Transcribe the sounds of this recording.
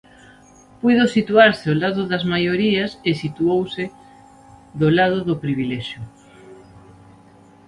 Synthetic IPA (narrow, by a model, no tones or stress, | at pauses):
pujðosit̪uaɾsɪolaðʊðɐzmajoɾiɐsesit̪uowsɪ | ðolað̞ʊðʊpɾiβilɛʃjʊ